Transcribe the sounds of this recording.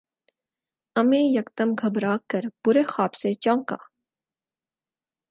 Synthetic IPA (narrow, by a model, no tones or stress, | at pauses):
ɐmẽːjɐkt̪əmɡʱɐbɾaːkːəɾb̥ʊɾeːxaːbset͡ʃɔ̃ːŋka̰ː